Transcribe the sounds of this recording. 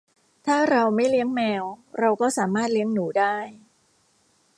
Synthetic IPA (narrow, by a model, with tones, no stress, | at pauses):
t̪ʰaː˥˩ɾa˧wma˥˩jli˦˥əŋmɛː˧wɾa˧wkɔː˥˩saː˩˦maː˥˩t̪̚li˦˥əŋnuː˩˦daː˥˩j